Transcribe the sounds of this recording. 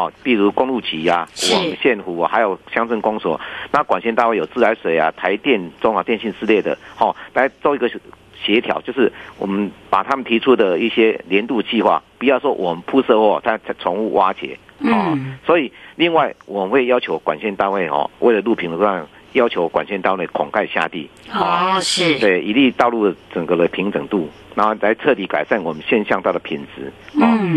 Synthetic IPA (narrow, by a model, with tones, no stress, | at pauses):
hɔ˨˩pi˥˩ɻu˧˦kʊ˥˦ŋlu˥˩t͡ɕʰi˨˥a˨wɔ˨˩mə˦ɕjɛ˥˩nxu˨˩˨ha˧˥ɪjo˨˩ʊɕja˥ŋt͡sʰə˥˩nkʊ˦ŋswɔ̰˨˩˦na˥˨kwa˨˩nɕɛ˥˧t̪a˥˧we˥˩jo˨˩ʊt͡sɹ̩˥˩la˧˦˥ɪʂwe˨˩ɪa̰˨t̪ʰa˧˦ɪt̪jɛ˥˧nt͡sɔ˥ŋa˨t̪jɛ˥˧nɕi˥˧nt͡sɹ̩˥˧le˥˩ɪd̪ə̰˩hɔ˥˨˩la˥˨˦ɪt͡sʊi˧˥ɡə˨ | ɕjɛ˧˦t̪ʰjɑ̰˨˩˦t͡ɕjo˥˧ʊʂɻ̩˥˩wɔ̰˨˩mə˨˦npa̰˨˩t̪ʰa˦mə˨nt̪ʰi˧˥t͡sʰu˦d̪ə˨i˥˩ɕjɛ˦ljɛ˧˦nt̪u˥˧t͡ɕi˥˧xwa̰˥˩pu˨jɑ˥˩ʊʂwɔ˦wʔɔ˨˩mə˨˦npʰu˥˧sɤ˥˧hwɔ˥˩t͡sʰa˥˩ɪt͡sʰa˥t͡sʰɔ˧˥ŋṵ˥˧wʔa˦˥t͡ɕjɛ̰˨˩˦ɔ˥˨swɔ˧˥i˨˩li˥˧ŋwa˥˩ɪwɔ˨˩mə˨˦nxwe˥˩ɪjɑ˥ʊt͡ɕʰjo˧˥ʊkwa˨˩nɕjɛ˥˧nt̪a˥˧nwe˥˩ɪxɔ̰˥˨˩we˥˩ɪlə˩lu˥˩pʰi˨˥ŋdə˨˧a˥˩ŋ | jɑ˥ʊt͡ɕʰjo˧˥ʊkwa̰˨˩nɕjɛ˥˧nt̪a˥˧nwe˥˩ɪkʰɔ˨˩ŋkʰa˥˧ɪɕja̰˥˧t̪ḭ˥˩ɔ˩˥t̪we˥˩ɪi˧li˥˧t̪ɑ˥˧ʊlu˥˩d̪ə˩t͡sə˨˩ŋɡə˧də˧˩pʰi˧˥ŋt͡sə˨˩ŋt̪u˥˩ | na˧˥˧la˧˥ɪt͡sʰɤ˥˨˩t̪i˧˥ka˨˩ɪsa˥˩nwɔ˨˩mə˦nɕjɛ˥˧nɕjɑ˥˧ŋt̪a˥˩d̪ə˩pʰi˨˩nt͡sɹ̩˧˦ɔ˥˩